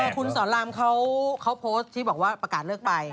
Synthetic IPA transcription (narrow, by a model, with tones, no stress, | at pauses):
kʰu˧nsɔː˩˦nlaː˧mkʰa˦˥wkʰa˦˥wpʰoː˦˥st̪ʰiː˥˩ɔː˨˩k̚waː˥˩pɾa˧kaː˨˩t̪̚lɤː˥˩k̚pa˧j